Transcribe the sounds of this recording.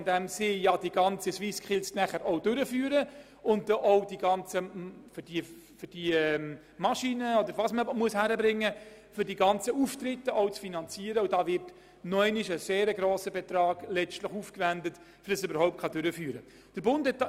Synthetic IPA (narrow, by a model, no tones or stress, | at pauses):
ndæmsɪjɑdiɡɑnt͡səsʋiskχɪlsnæχəɾʔɔʊdøɾəfyːɾə | ʊnddɔʔɔʊdiɡɑnt͡səfd̥i | fʏd̥iəm | mɑʃiːnəɔd̪əɾʋɑsməmuəshæɾəbɾɪŋːə | fʏɾdiɡɑnt͡səuftɾɪtːəɔʊt͡sfinɑnt͡siːəɾəudɑːvɪrt | nɔɛɪnɪʃəseːɾəɡɾoːsəbɛt̪rɑːɡ̥lɛt͡ʃtləχuːfkvændət | fɾd̥ɑsʏbəɾhɔʊp̚t̚kʰχɑdʏɾəfyːɾə | d̥əɾbʊndhɛt